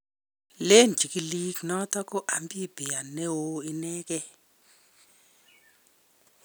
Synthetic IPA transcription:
le˦nd͡ʒʱi˨ki˨li˦ɡnɔ˦tʰɔ˦kɔ˦ʔa˨mbi˦bʱi˨a˨nɛ˦wo˦i˦nɛː˦k̬ʼɛ˦

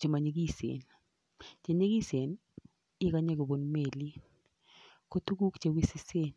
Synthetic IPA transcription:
t͡ʃe˨ma˨ɲe˨ɡi˦˨sḛ˨n | t͡ʃe˨ɲe˦ɡi˦se˨n | ɪ˦ka˦ɲɛ˦ɡo˨bo˨nme˨li˦ | ko˦t̪u˦ɡu˦kt͡ʃe˨wi˦sɪ˦se˦n

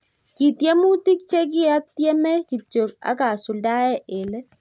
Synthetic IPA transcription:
ki˨tjɛ˦mu˦ti˦k̚t͡ʃe˦k̬i˦a˦t̪jɛ˦mɛ˦ki˨t͡ʃo˨k̚a̰˨˦ka˨su˨lda˦ɛ˦ʔe˨lɛ˦

